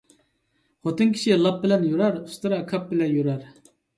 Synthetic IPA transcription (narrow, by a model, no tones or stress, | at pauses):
χot̪ɨnkʲʰi̥ʃilˠɑp̚bɪlɛnjuɾɑɾust̪ɨɾɑkʰɑp̚bɪlɛnjuɾɑɾ